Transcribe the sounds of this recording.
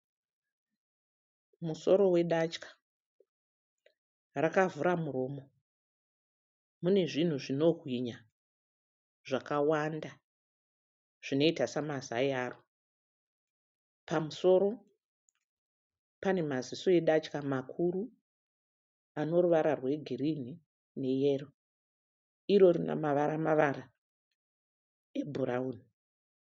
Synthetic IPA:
muso̞ɾo̞we̞ɗat͡ʃkḁ | rakavuɾamuɾo̞ːmo̞ | mune̞ʐin̤uʐino̞ɦwiɲa | ʐakawanda | ʐ̥ino̞itasamazajaːro | pamuso̞ɾo̞ | pane̞mazisoeɗat͡ʃkamakʰuɾu | ano̞ruʋaɾarwe̞ɡʱirin̤i | ne̞jero | iɾo̞ɾina̰maʋaɾamaʋaɾa | e̞bʱuɾauːni

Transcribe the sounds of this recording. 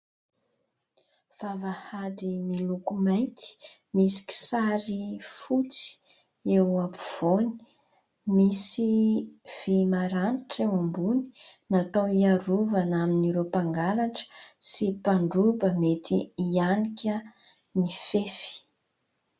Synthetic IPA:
v̥avahad̪imilukumajt̪i̥ | misi̥kʲi̥saɾifut͡si̥ | ewapuv̥oni̥ | misiv̥imaɾaniʈ͡ʂewambuni̥nat̪owiaɾuvanaminiɾepaŋɡalaʈ͡ʂə̥sipaɳɖ͡ʐubəmet̪ʰiianikʲə | nifefi̥

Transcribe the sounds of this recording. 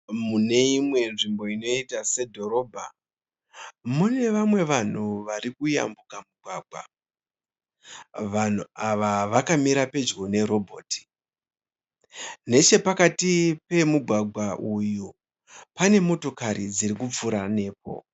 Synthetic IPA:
mune̞imwe̞nʐimbo̞ino̞itase̞dʱo̞ɾo̞bʱa | mune̞ʋamwe̞ʋan̤uʋaɾikuja̰mbukamuɡʱwaːɡʱwa̰ | ʋan̤uaʋaʋakamiɾape̞d͡ʒɡo̞ne̞ɾo̞bʱo̞ːtʰi̥ | ne̞t͡ʃe̞pakatipe̞muɡʱwaɡʱwaʔuju | pane̞mo̞to̞kaɾid͡ziɾikup͡fuɾane̞ːp̚o̞̰

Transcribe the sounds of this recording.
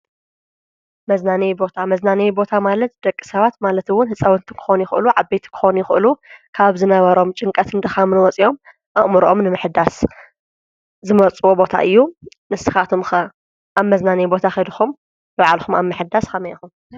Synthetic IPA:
mɐznanɐjbo̞t̪ʰamɐznanejbo̞t̪ʰamalɐt̪̚d̪̥ɐkʼːi̥sɐβat̪malɐt̪ɨwʊnhɨsʼɐwɨnt̪ʰi̥kʰɨ̥xonjɪxʔɨluʕabejt̪ʰi̥kʰɨ̥xonjɪxʔɨlukʰaβzɨnɐβɐɾo̞mt͡ʃʼɨŋkʼɐt̪ɨnt̪ʰɐxɐmɨnwɔt͡sʼiʔo̞m | ʔɐʔmɨɾʔomnɨmɨħd̪as | zɨmɐt͡sʼuwobo̞t̪ʰa̰ʔɨjːu | nɨsɨxat̪ʰumxɐ | ʔaβmɐznanɐjbo̞t̪ʰaxɐd̪xum | bɨβaʕalxuma̰βmɨħɨd̪askʰɐmejxum

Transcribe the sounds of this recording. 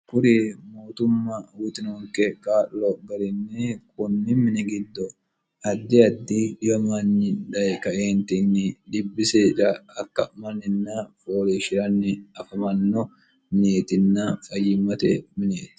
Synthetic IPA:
kʊɾimoːt̪ʊmːɐwʊt̪ɪnoŋkɛkaːlːɔɡɐɾɪnːɛkʊnːɪmɪnɛɡɪd̪ːɔ | ɐd̪ːɪɐd̪ːidɪbɐmɐnːɪᶑɐjkɐʔeːnt̪ɪnːɪᶑ̪ɪbːɪseɾɐːkːɐmɐnːɪnːɐfoːliʃɪɾɐnːɪɐfɐmɐnːɔ | mɪneːt̪ɪnːɐfʼɐjːɪmːɐt̪ɛmɪneːt̪ɪ̥

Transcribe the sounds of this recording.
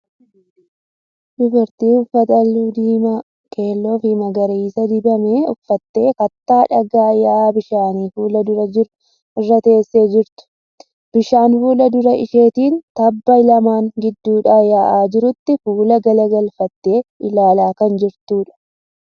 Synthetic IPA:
dʊbɐɾt̪iːʊfːɐt̪ɐlːuːd̪iːmɐ | kʰe̞ːlːoːfɪmɐɡɐɾiːsɐd̪ɪbɐmeːʊfːɐt̪ːe̞ːkɐt̪ːaːᶑɐɡaːjaʔaːbɪʃaːniːfuːlɐd̪ʊɾɐd͡ʒɪɾʊ | ʔɪrːɐt̪e̞ːsːe̞ːd͡ʒɪɾt̪ʊ̥ | b̥ɪʃaːnfuːlɐd̪ʊɾɐʔɪ̰ʃe̞ːt̪iːnt̪ɐbːɐjlɐmaːŋɡɪd̪ːuːᶑaːjaːʔaːd͡ʒɪɾʊt̪ːɪfuːlɐɡɐlɐɡɐlfɐt̪ːe̞ːʔɪlaːlaːkɐnd͡ʒɪɾt̪uːᶑɐ̥

